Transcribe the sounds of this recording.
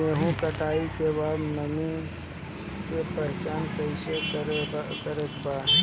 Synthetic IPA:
eɦũkəʈaːikebaːd̪nəmi | kepəɦt͡ʃaːnkəɪsekəkəɾet̪paː

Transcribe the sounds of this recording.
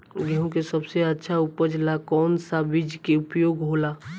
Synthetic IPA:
ɡɛɦõkesəbseətːʃʰaʊpəd͡ʒlakɔːnsabid͡ʒkeʊpjoːɡɦoːla

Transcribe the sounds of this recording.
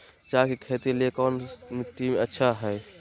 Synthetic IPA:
t͡ʃaːkikʰeːt̪eliekɔːnmɪʈimẽətːʃʰaɦɛː

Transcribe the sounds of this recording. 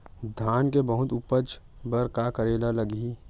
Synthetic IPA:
d̪ʱaːnkebəɦʊt̪ʊpət͡ʃ | bəɾkakəɾeːlaləɡi

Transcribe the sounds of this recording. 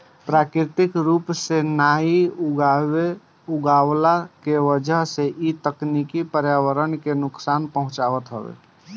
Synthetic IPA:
pɾakɾit̪ikɾupsenaiuɡae | uɡawlakeʋəd͡ʒəɦseʔit̪əknikipəɾjawəɾənkenʊksanpəɦũt͡ʃabət̪ɦəbḛ

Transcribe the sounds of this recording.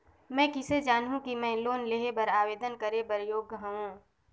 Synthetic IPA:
mɛ̃ːkɪsed͡ʒaːnɦũkimɛ̃ːloːnleːɦebɐɾaːʋeːd̪ənkɐɾebɐɾjoːɡɦɐ̃ɦũː

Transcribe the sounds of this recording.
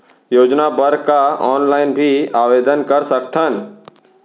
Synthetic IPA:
joːd͡ʒnabəɾkaɔːnlaːɪnbʱiaːʋeːd̪ənkəɾsəkt̪ʰən

